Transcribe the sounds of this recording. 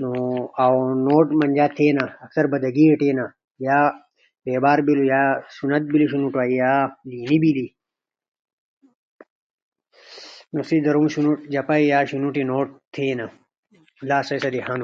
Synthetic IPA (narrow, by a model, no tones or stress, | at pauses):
noawnoːʈmɐnʲd͡ʑaːt̪ʰeːnaɐksɐɾbɐd̪ɐɡiʈeːna | jaː | beːbaːɾbilujaːsunɐt̪̚biliɕunuʈaːijaːliːnibili | nosid̪ɐɾumɕunuʈd͡ʑɐpaijaːɕunuʈinoːʈ̚t̪ʰeːna | laːsɐjsɐd̪iɦãːnu